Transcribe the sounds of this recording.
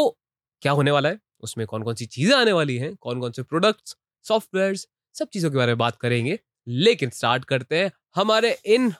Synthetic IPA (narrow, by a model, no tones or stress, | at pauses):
t̪oː | kjaːɦoːneʋaːlaɦɛː | ʊsmẽkɔːnkɔːnsit͡ʃiːzẽaːneʋaːliɦɛ̃kɔːnkɔːnsepɾoːɖək̚ʈs | sɔːfʈʋɛːɾz | sɐb̚t͡ʃiːzõkebaːɾemẽbaːt̪̚kɐɾẽːŋɡeː | leːkɪnsʈaːɾʈkɐɾt̪eɦɛ̃ | hɐmaːɾeʔɪn